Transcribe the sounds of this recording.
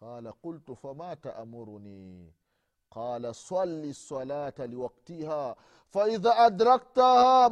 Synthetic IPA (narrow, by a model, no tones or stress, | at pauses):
qɑːlaqʊlt̪famaːt̪aʔmʊɾʊniː | qɑːlasˤɑlːisˤːɑlaːt̪alɪwɑqt̪ihaː | faʔɪðaːʔad̪ɾˤɑk̚t̪ahaː